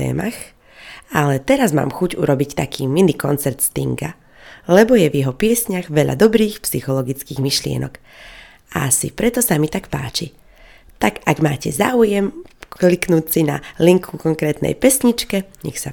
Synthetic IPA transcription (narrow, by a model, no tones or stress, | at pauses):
ɛ̰ːmax | alɛt̪ɛɾazma̰ːmxuɟṵɾɔbict̪akʰiːminikɔnt͡sɛɾt̪st̪ḭŋɡa | lɛbɔjɛvjɛɦɔpɪɛsɲaɣʋɛʎa̰d̪ɔbɾiːxpsixɔlɔɡit͡skiːɣmiʃlɪɛ̰nɔ̰k | aasḭpɾɛt̪ɔsamit̪akpa̰ːt͡ʃi | t̪aɡaɡmaːcɛza̰ːujɛmkkliknuːt͡sina̰liŋkʰukɔŋkɾɛːt̪nɛ̰jpɛsɲit͡ʃkɛɲɛ̰xsa